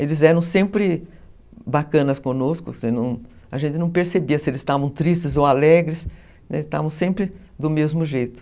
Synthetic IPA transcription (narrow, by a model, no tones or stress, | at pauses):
elɪzɛɾɐ̃w̃sẽmpɾɪ | bakɐ̃nɐskõnoskʊ̰sɪnɐ̃w̃ | ɐʒẽnt̪ɪnɐ̃w̃peɾsebiɐsɪelɪzsst̪avɐ̃w̃t̪ɾist͡ʃɪzowalɛɡɾɪs | ɛ̰st̪a̰vɐ̃w̃sẽmpɾɪ | d̪ʊmezmʊʒejt̪ʊ̥